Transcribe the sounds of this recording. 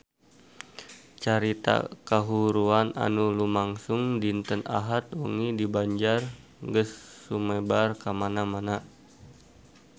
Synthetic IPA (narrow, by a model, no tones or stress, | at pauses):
t͡ʃaɾit̪a̰kaɦuɾuana̰nulumaŋsuŋdint̪əna̰ɦat̪̚ṵŋidibaɲd͡ʒarɡəsːumɛbarkamanamana